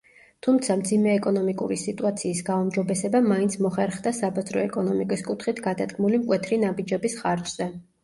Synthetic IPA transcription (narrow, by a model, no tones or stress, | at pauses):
t̪ʰumt̪sʰamd̪zimɛːkʼɔnɔmikʼṵɾisit̪ʼuat̪sʰiːsɡaumd͡ʒɔbɛsɛbamaint̪sʰmɔχɛɾχd̪asabazɾɔɛkʼɔnɔmikʼiskʼut̪ʰχit̪ʰɡad̪ad̪ɡmulimkʼwɛt̪ʰɾinabid͡ʒɛbisχaɾt͡ʃz̥ɛ